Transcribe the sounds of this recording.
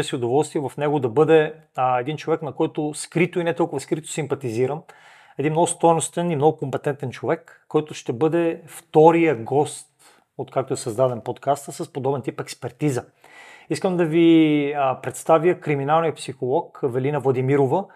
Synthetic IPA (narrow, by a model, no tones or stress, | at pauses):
siʊd̪ovɔlˠst̪viɛvɐfnɛɡod̪ɐbɤd̪ɛ | ɛd̪int͡ʃovɛknɐkɔjt̪oskɾit̪ʊinɛt̪ɔlˠkʊvəskɾit̪o̥simpɐt̪iziɾəm | ɛd̪inmnɔɡʊst̪ɔjnost̪ɛnimnɔɡʊkompɛt̪ɛnt̪ɛnt͡ʃovɛkːɔjt̪ʊʃt̪ɛbɤd̪ɛft̪ɔɾijəɡɔst̪ | ot̪kak̚t̪oɛsɐzd̪ad̪ɛnpot̪kast̪əsəspod̪ɔbɛnt̪ipɛkspɛɾt̪izə | iskəmd̪ɐvi | pɾɛt̪st̪avjəkɾiminalˠnijəpsixolˠɔkvɛlinəvlˠɐd̪imiɾovə